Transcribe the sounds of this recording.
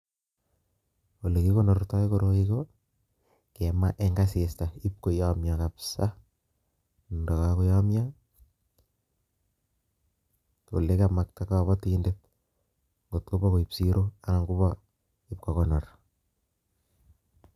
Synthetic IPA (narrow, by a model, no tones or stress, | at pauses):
olekikonɔɾtaikoɾoiko | kɛma̰ʔeŋɡasestaip̚kojamjakapsa | dakakojamja | ko̰lekamak̚takaβɔtiːndet̚ | ŋɡotkobɔkoipsiɾʔoanaŋɡubɔ | ip̚kɔkɔnɔr